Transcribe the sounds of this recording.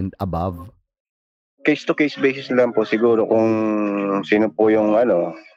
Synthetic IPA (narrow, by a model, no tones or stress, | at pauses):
nd̪ɐbav | kejst̪ʊkejsbɛjsɪsnlɐmposɪɡuːɾo̞kʊŋ | siːnopojʊŋɐno̞